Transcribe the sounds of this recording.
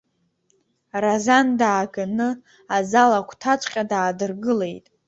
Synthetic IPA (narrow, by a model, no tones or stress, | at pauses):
razandaːɡanɨ | azalakʷʰtʰat͡ʃʷʼqʲʼadaːdɨrɡɨle̞jtʼ